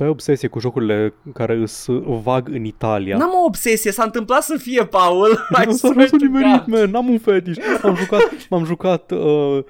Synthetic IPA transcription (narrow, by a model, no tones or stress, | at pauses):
eobse̞sijekuʒo̞kuɾile̞kaɾe̞ɨsvaɡɨnit̪alia̰namoːbse̞siesaɨnt̪ɨmplat̪səfije̞paolusaʒusuimeɾit̪menamunfet̪it͡ʃmamʒukat̪mamʒukat̪ə